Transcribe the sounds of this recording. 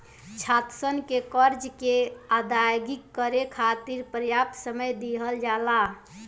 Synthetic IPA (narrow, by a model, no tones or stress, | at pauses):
t͡ʃʰat̪sənkekəɾd͡ʒkead̪ajɡikːəɾekʰat̪iɾpɾəjap̚t̪səməjd̪iɦəld͡ʒala